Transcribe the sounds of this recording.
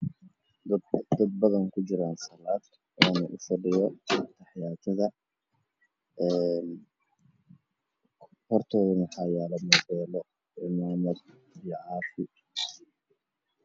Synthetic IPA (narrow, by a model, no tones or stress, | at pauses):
d̪d̪ɐd̪̚bɐðɐŋkʰʊd͡ʒɪɾaːnsɐlaːd̪ | ʔɔːnɐʔʊfɐɖɪjɔt̪ʰɐħjaːt̪ʰɐðɐ | ɛn | hɔrt̪ʰɔːðɐnɐħɑjaːlɐmɐβɛːlɔ | ʔɪmaːmɐd̪̚ | ijɔʕɑːfɪ